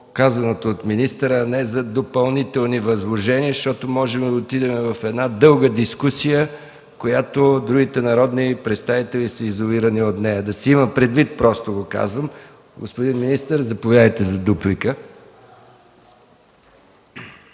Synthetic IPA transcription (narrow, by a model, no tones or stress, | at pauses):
kazɐnot̪oːt̪minist̪əɾəːnɛzɐd̪opɐlˠnit̪ɛlˠnivɐzlˠoʒɛniəʃt̪ɔt̪omɔʒɛmd̪ɐot̪id̪ɛmɛvɐfɛd̪nad̪ɤlˠɡəd̪iskusijə | kojat̪od̪ɾuɡit̪ɛnɐɾɔd̪nipɾɛt̪st̪avit̪ɛlisəizoliɾəniot̪nɛjəd̪ɐsiiməpɾɛd̪vit̪̚pɾɔst̪oɡoka̰zvəm | ɡospod̪inminist̪əɾzɐpovjad̪əjt̪ɛzɐd̪uplikə